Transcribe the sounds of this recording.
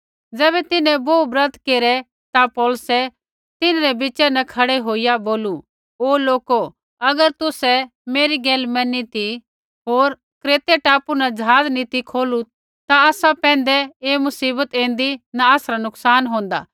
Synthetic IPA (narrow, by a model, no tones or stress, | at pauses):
d͡zɛːbɛt̪ɪnɛ̃boːbɾɐt̪keːɾɛ | t̪apɔːlsɛ | t̪ɪnɾɛbɪt͡ʃɛnɛkʰɐɽɛɦoːijaboːlu | oːloːko | ɐɡəɾt̪ʊsɛ | meːɾiɡeːlmɛ̃nit̪i | ɦoːɾ | kɾeːt̪eʈaːpunad͡ʒɐɦaːznit̪ikʰoːlu | t̪aaːsapɛ̃ːnd̪ɛeːmʊsiːbət̪ẽːnd̪inaaːsɾanʊksaːnɦõːnd̪a̰ː